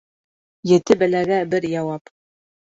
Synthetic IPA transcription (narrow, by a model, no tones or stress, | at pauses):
jɘ̆t̪ɘbæ̆læɡæbɘɾjɑwɑp